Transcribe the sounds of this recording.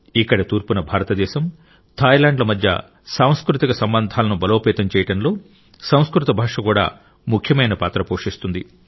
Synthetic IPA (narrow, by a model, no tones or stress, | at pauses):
ikːɐɽɐt̪uːɾpunɐbʱaːɾɐt̪ɐd̪ɛːʃɐm | t̪ʰaːjlaːɳɖlɐmɐd̪ʱjɐ̰ | saːw̃skɾut̪ikɐsɐmbɐnd̪ʱaːlɐnubɐloːpɛːt̪ɐmt͡ʃɛːjɐʈɐnlo̞ː | sɐw̃skɾut̪ɐbʱaːʂɐkuːɽa̰ː | mukʰjɐmɐjnɐpaːt̪ɾɐpoːʂist̪und̪i